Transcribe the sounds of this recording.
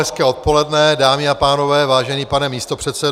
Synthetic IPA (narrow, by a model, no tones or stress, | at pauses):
ɛskɛːo̞t̪̚po̞lɛdnɛdaːmɪapaːno̞vɛːvaːʒɛniːpanɛmiːst̪o̞pr̝̥ɛt̪sɛ